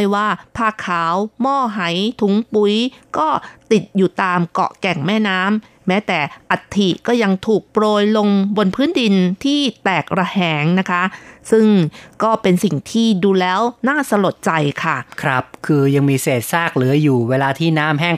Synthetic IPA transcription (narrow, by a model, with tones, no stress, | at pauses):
jwaː˥˩pʰaː˥˩kʰːaː˩˦wmɔː˥˩ɦa˩˦jt̪ʰu˩˦ŋpu˧˩˦jkɔː˥˩t̪i˨˩t̪̚juː˨˩t̪aː˧mkɔ̰˨˩kɛ˨˩ŋmɛː˥˩naː˦˥mː | ɛː˦˥t̪ɛː˨˩ʔa˨˩t̪ʰːi˨˩kɔː˥˩ja˧ŋt̪ʰuː˨˩k̚pɾoː˧jlo˧ŋbo˧npʰɯː˦˥ndi˧nt̪ʰiː˥˩t̪ɛː˨˩k̚ɾa˧hɛː˨˩˦ŋna˦˥kʰa˦˥sɯ˥˩ŋkɔː˥˩pe˧nsi˨˩ŋt̪ʰiː˥˩duː˧lɛː˦˥wnaː˥˩sa˧lo˨˩t̪̚t͡ɕa˧jkʰa˥˩kʰɾa˦˥p̚kʰɯː˧ja˧ŋmiː˧seː˨˩t̪̚saː˥˩k̚lɯ˩˦ɐjuː˨˩weː˧laː˧t̪ʰiː˥˩naː˦˥mɦɛː˥˩ŋ